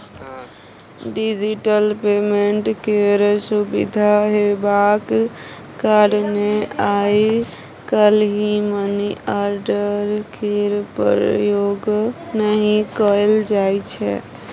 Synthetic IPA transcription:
ɖid͡ʒiʈəlpemeɳʈkeɾsubḭd̪ʱaɦebak | kaɽmeaji | kəlɦiməniaɾɖəɾkʰeɾpəɾjoɡnəɦĩkəld͡ʒajt͡ʃʰɛ̰

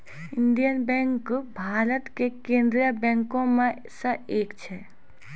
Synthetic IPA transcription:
ɪ̃nd̪ijənbɛ̃ːŋkbʱaːɾət̪kekẽːnd̪ɾijabɛ̃ːŋkõmẽ | səeːkt͡ʃʰɛ

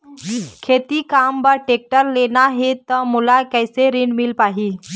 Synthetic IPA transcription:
kʰet̪ikambəɾʈek̚ʈəɾlenaɦet̪əmulakəjseɾinmilpaɦi

